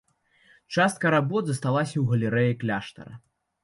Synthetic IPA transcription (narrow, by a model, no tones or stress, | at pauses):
t͡ʂast̪̚kɐɾabɔd̪zɐst̪alˠasʲɐwɣɐlʲɛɾɛjɛklʲaʂt̪ɐ̰ɾɐ̰